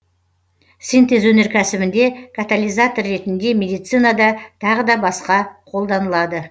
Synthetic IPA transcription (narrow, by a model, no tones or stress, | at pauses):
sint̪ezwɵne̞ɾkʲʰæsɪbɪnd̪e̞kʰat̪alʲˠijzat̪orːe̞t̪ɪnd̪e̞mʲe̞d̪ijt̪sɨjnad̪ɑt̪ʰɑʁəd̪ɑbɑsqɑqʰo̞lˠd̪ɑnəlˠɑd̪ə